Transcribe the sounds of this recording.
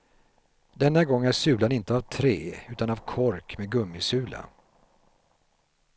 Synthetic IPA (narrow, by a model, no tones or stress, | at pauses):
d̪̥ɛnːaɡɔŋːæʂʉ̟ːlanɪnt̪əavt̪ʰɾeːʉ̟ːt̪anavkʰɔɾkmeɡɵmːɪsʉ̟ːla̰